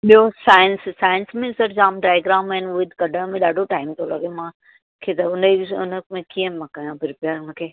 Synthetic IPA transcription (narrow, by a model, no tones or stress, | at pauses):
ɓijosaːjənssaːjɪnsmẽsɐɾd͡ʑaːmɖɾaːjɡɾãːnɛnʊet̪ɡɐɖʱəɽ̃mẽɗaːɖʱoʈaːɪmt̪ʰolɐɡemãː | kʰet̪ɐʊnʊ̰nəmẽkijə̃mãːkajãbɪɾpjaːɾʊnəkʰeː